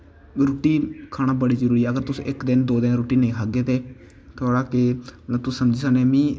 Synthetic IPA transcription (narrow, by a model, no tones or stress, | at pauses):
ɾuːʈiːkʰaːnaːbəɽiːd͡ʒəɾuːɾiːɛːəɡəɾt̪ʊsʔɪkd̪ɪnd̪oːd̪ɪnɾuːʈiːnẽːkʰaːɡeːt̪eː | t̪ʰʊoːɽaːkɪət̪ləb̚t̪ʊsːəmd͡ʒiːsaːneːmĩː